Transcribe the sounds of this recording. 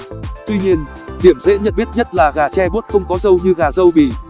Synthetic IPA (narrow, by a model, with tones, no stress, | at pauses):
t̪wi˧ɲi˧ən | ɗ̪i˧˩əmzḛ˧˥ɲə̰˧˨nɓi˦˥t̚ɲə˦˥t̚laː˨˩ɣaː˨˩t͡ɕɛ˧ɓu˦˥t̚xə˧wŋ͡mkɔ˨˦zə˧wɲɨ˧ɣaː˨˩zə˧wɓi˧˩